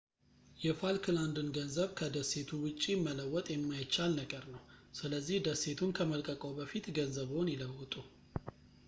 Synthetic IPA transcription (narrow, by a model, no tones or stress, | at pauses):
jɛfalkʰɨland̪ɨnɡənzəβkʰəd̪əsːe̞t̪ʰuwʊt͡ʃʼːimːələwːɔt̪ʼjɛmːajt͡ʃːalnəɡəɾnəwsɨləzːihd̪əsːe̞t̪ʰunkʰəməlkʼəkʼowbəfit̪ɡənzəβhonjɪləwːət̪ʼu